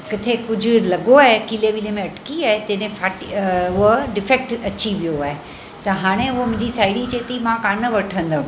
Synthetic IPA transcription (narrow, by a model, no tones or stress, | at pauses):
kɪt̪ʰekʊd͡ʑʱʊlɐɡoaːɦekiːleʋiːlemẽɐʈkiaːɦet̪ɐ̃ːnẽfaːʈʊɦoɖɪfek̚ʈɐt͡ɕiʋijoaːɦe | t̪ɐɦaːɽ̃ẽʊɦomʊ̃ɦɪ̃ɲd͡ʑisaːɪɽit͡ɕeːt̪imãkaːnəʋɐʈʰə̃nd̪ə